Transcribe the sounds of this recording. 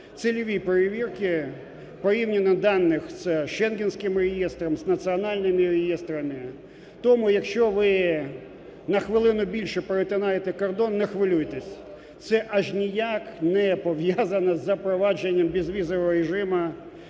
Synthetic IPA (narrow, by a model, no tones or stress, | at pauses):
t̪sɪlʲɔʋʲipeɾeʋʲirkɪ | pɔjiwnʲɪnːɐd̪ɑnːɪxsʃɛnɡʲɪnsʲkɪmrejist̪ɾɔmznɐt̪siɔnɑlʲnɪmɪɾejist̪ɾɐmɪ | t̪ɔmʊjɐkʃt͡ʃɔʋɪ | nɐxʋɪlˠɪnʊbʲilʲʃɛpɾet̪ʲɪnɑjet̪ɛkɔrd̪ɔnːɛxʋɪlʲujet̪ɛsʲ | t̪sɛʔɐʒnʲijaknɛpɔʋjazɐnɐzɐpɾɔʋɑd͡ʒenʲːɐmbʲizʋʲizɔʋɔɦɔɾeʒɪmɐ